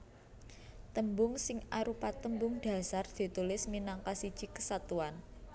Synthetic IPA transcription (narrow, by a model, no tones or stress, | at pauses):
t̪əmbʊŋsɪŋʔaɾupat̪əmbʊŋd̪̥ä̤sard̪̥i̤t̪ulɪsminaŋkasid̥ʒ̥i̤kə̥sat̪uan